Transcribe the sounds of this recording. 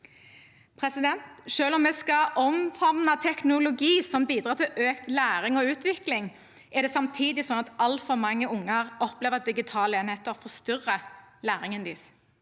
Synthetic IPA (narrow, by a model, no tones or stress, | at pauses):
pʰʁɛsɪd̪ɛnt̪ʃøːlɔmːɛːskɑʔɔmfɔʁnɑt̪ʰɛknʊlʊɡiːsɔmbiːd̪ɾʁɑːt̪ʰɪlʔøːkt̪læːʁɪŋɔʉːt̪ʋɪklɪŋ | ɛʁd̪ɛsɑmt̪ʰiːd̪ɪsɔnɑt̪ɑlt̪fɔʁmɑŋːəʊŋːəʁɔpleːʋəd̪ɪɡɪt̪ʰɑːleːnheːt̪əɔfɔʁst̪ʏʁːəlæːʁɪŋənd̪iːs